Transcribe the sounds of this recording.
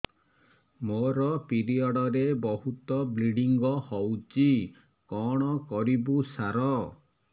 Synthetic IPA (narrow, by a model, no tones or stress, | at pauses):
moɾɔpiɾiɔɽɔɾebɔɦut̪ɔbliɽiŋɡɔhɔwt͡ʃi | kɔɽ̃ɔkɔɾibusaɾɔ